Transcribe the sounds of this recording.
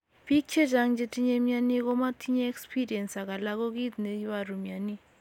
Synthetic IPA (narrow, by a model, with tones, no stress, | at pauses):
bi˦k̚t͡ʃʰe˦d͡ʒa˨ŋd͡ʒe˨tʼi˦ɲe˦mja˦ni˦ɣo˦ma˦tʰi˦ɲa˦ɛ˦kspʰi˦ɾi˨ɛ˨nsa˨ɣa˨la˦ɣo˦ɣi˦dne˨i˦βa˨ɾu˨mi˨a˨ni˦